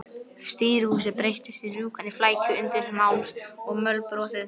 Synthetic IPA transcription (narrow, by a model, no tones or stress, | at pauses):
st̪iːɾvuːsɪpɾejht̪ɪsirjuːkaniflaːjcʏʏnt̪ɪɾmawnsɔɣmœlpɾɔːtɪð